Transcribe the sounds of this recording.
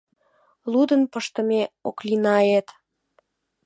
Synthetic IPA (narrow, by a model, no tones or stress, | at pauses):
lud̪ənpəʃt̪ə̆meoklinɑjet̪